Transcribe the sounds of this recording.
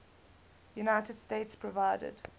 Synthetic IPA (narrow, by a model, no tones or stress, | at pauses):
junaɪtəd̥steɪtspʰɹɔvaɪdə̰d̥